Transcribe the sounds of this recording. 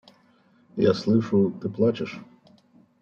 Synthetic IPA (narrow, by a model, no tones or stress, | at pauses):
ja̰slˠɪʃʊt̪ɪplˠɑt͡ʃɪʃ